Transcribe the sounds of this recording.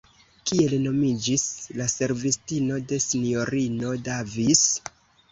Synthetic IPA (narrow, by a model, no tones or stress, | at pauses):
kie̞lno̞mid͡ʒislase̞ɾvistino̞de̞sinijo̞ɾino̞davis